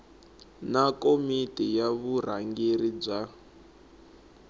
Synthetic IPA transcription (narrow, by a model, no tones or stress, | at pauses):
nakomitʼɛjaβur̤aŋɡerib͡ʐa